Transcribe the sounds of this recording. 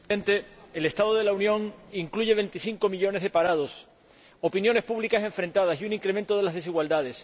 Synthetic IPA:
ent̪e̞ːle̞st̪aðoð̞e̞launjõ̞ŋiŋkluʝe̞β̞e̞nt̪iθiŋko̞miʎo̞ne̞zðepaɾað̞o̞s | o̞pinjõ̞ne̞spuβlikasẽ̞ɱfɾe̞nt̪að̞asiunĩŋkɾe̞mẽnt̪oð̞e̞lazðe̞siɣwald̪að̞e̞s

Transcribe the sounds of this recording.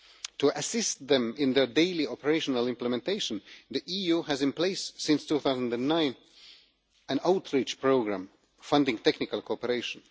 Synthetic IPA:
tʰuʔasɪst̪ðɛ̃mɪ̃nðə˞deɪliɔpəɹeɪʃɔnalˠɪ̃mpləmɛ̃nteɪʃɔ̃nðiʔijuhæzɪ̃npleɪssɪ̃nstuθaʊzə̃ndæ̃nːãɪ̃n | æ̃naʊtʰɹit͡ʃpɹoʊɡɹãm | fʌ̃ndɪ̃ŋtɛknɪkalˠkʰoɔpəɹeɪʃɔ̃n

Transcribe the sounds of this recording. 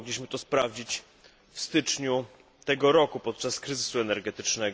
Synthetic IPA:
ɡlʲiɕmɘt̪ɔspɾavd͡ʑit͡ɕ | fst̪ɘt͡ʂɲu | t̪ɛɡɔɾɔkupɔt̪̚t͡ʂaskɾɘzɘsuɛnɛɾɡɛt̪ɘt͡ʂnɛɡ

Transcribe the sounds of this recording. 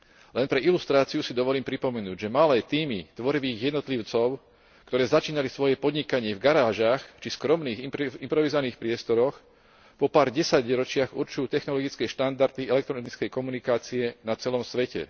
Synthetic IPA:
lɛnpɾɛilust̪ɾaːt͡siusid̪ɔʋɔliːmpɾipɔmɛnuːɟʒɛmalɛːt̪iːmit̪ʋɔɾiʋiːɣjɛd̪nɔt̪liʊt͡sɔʊ | kt̪ɔɾɛːzat͡ʃiːnalisʋɔjɛpɔd̪ɲikaɲɪɛvɡaɾaːʒaːxt͡ʃiskɾɔmniːɣimpɾɔʋizɔʋaniːxpɾɪɛst̪ɔɾɔx | pɔpaːɾɟɛsaɟɾɔt͡ʃɪaɣuɾt͡ʃujuːt̪ɛxnɔlɔɡit͡skɛʃt̪and̪aɾd̪iɛlɛk̚t̪ɾɔnit͡skɛjkɔmunikaːt͡siɛnat͡sɛlɔmsʋɛcɛ̰

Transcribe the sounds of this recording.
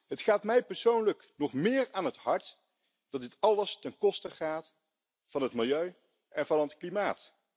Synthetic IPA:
ɦətχaːtmɛjpɛɹsownləknɔχmɪːɹaːnɦəthɑɹt | d̥ɑtdɪtɑləstɛnkɔstəχaːt | fɑnɦətmɪlˠjøɥ | ʔɛnvɑnətklimaːt

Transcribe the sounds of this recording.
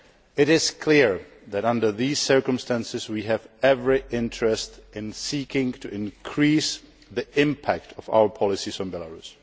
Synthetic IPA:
ɪɾɪskʰlɪɹ | ðætãndə˞ðiːssɜ˞kə̃mstæ̃nsɪswiːɦɛvɛvɹɪʔɪ̃ntɹɛstɪ̃nsiːkɪ̃ŋtʰuʔɪ̃nkʰɹiːs | ðiɪ̃mpʰæk̚tʰɔfa̰wə˞pʰɔlɪsisɔ̃nbɛlaɹus

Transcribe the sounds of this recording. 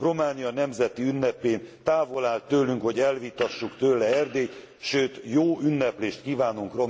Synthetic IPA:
ro̞maːnijɒnɛmzɛt̪iynːɛpeːnt̪aːvo̞laːlt̪ːøːlyŋkho̞ɟɛlvit̪ɒʃːukt̪øːlɛɛrd̪eː | ʃøːt̪joːynːɛpleːʃt̪kiːvaːnuŋkro̞

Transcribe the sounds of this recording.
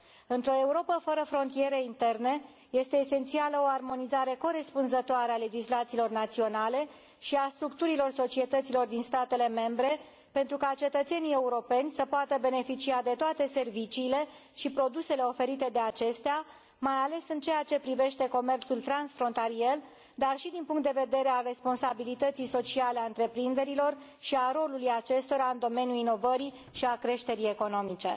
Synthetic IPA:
ɨnt̪ɾo̞e̞uɾo̞pəfəɾəfɾo̞nt̪ije̞ɾeint̪e̞rne | je̞st̪e̞ːse̞nt̪sialəo̞armo̞nizaɾe̞ko̞ɾe̞spunzət̪oaɾeale̞d͡ʒislat̪siːlo̞rnat̪sio̞nale̞ | ʃiast̪ɾuk̚t̪uɾilo̞rso̞t͡ʃie̞t̪ət̪silo̞rd̪inst̪at̪e̞le̞me̞mbɾe̞ | pe̞nt̪ɾukat͡ʃe̞t̪ət̪se̞nije̞uɾo̞pe̞nʲsəpoat̪əbe̞ne̞fit͡ʃiad̪e̞t̪oat̪e̞se̞rvit͡ʃiːle̞ | ʃipɾo̞d̪use̞le̞o̞fe̞ɾit̪e̞d̪e̞at͡ʃe̞st̪ea | majale̞sɨnt͡ʃe̞jat͡ʃe̞pɾive̞ʃt̪e̞ko̞me̞rt̪sult̪ɾansfɾo̞nt̪aɾiel | d̪arʃid̪inpuŋkt̪d̪e̞ve̞d̪e̞ɾealre̞spo̞nsabilit̪ət̪sijso̞t͡ʃialeaɨnt̪ɾe̞pɾind̪e̞ɾilo̞r | ʃiaɾo̞lulujat͡ʃe̞st̪o̞ɾaɨnd̪o̞me̞njulino̞vəɾi | ʃiakɾe̞ʃt̪e̞ɾie̞ko̞no̞mit͡ʃe̞̰

